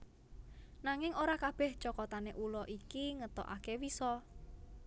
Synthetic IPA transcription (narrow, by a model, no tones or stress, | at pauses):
naŋɪŋoɾakab̥ɛht͡ʃɔkɔt̪aneʔulɔʔikiŋət̪ɔ̰ʔa̰kewisɔ